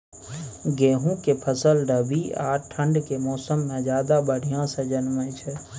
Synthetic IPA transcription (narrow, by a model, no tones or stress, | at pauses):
ɡeːɦũkepʰəsəlɖəbiaːʈʰə̃ɳɖkemɔːsəmːẽd͡ʒjaːd̪abəɽ̤ʱijãsẽd͡ʒənmət͡ʃʰɛ